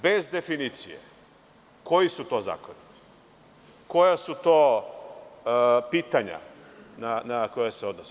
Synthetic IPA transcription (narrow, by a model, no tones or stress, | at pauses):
bezd̪e̞finiːt̪sijḛ | ko̞jisut̪o̞ːza̰ːkoni | ko̞jasut̪oː | piːt̪aɲa̰ | nanakojaseo̞d̪nosi